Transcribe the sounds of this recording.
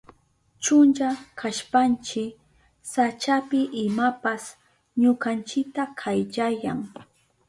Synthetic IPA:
t͡ʃʊnt͡ʃakʰaʃpant͡ʃɪk | sat͡ʃapɪʔɪmapas | ɲʊkant͡ʃɪk̚t̪akʰajʎajaŋ

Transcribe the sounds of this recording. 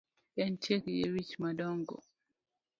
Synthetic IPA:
ɛnt͡ʃɛkjḛwit͡ʃmadɔŋɡɔ̰

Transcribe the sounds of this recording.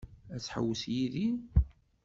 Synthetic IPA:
æt͡sːħə̰wːəsjiðin

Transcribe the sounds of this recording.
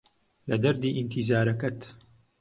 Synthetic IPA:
lɐd̪ɐɾd̪iːʔint̪ʰizaːɾɐkɐt̪

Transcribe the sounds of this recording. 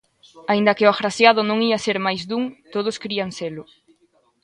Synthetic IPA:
aind̪ɐkɪʊafɾasjaðʊnõŋiaseɾmajzd̪uŋt̪oð̞ʊskɾiaŋselʊ

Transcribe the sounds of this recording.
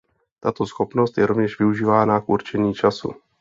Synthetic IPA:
t̪at̪o̞sxo̞pno̞st̪jɛɾo̞vɲɛʃvɪuʒiːvaːnakʔuɾt͡ʃɛɲiːt͡ʃasṵ

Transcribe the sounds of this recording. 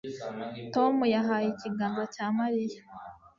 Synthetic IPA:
to̞mujaɦaːjiciɡaːmbacaːmaɾija

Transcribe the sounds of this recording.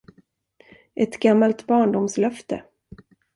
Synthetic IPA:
ʔɛt̪ɡamːalt̪bɑːɳɖʊmslœft̪ə̰

